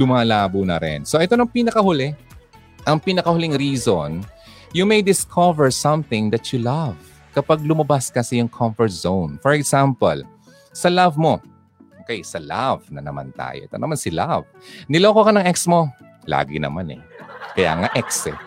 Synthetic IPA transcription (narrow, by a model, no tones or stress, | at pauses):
lʊmaːlaːbunɐɾɛ̰nso̞ʔɛt̪onɐŋpinɐkɐhʊlɛ | ʔɐŋpiːnɐkɐhʊliŋɾiːzon | jʊmejd̪ɪskʰɔvɛɹsɐmθɪ̃ŋd̪ɐt͡ʃʊlav | kɐpaɡ̚lʊmɐbaskɐsɪjʊŋkʰɐmfɔɹt̪̚z̥ownfɔɹɛksampɐ̰l | sɐlavmo̞ | ʔʔokɛjsɐla̰vnɐnɐma̰nt̪a̰ːjoʔɛt̪onɐmansɪlav | nɪloːkokɐnɐŋʔɛksmo̞ | la̰ːɡɪ̰nɐ̰manɛ̰kɐja̰ːŋaʔɛksɛ̰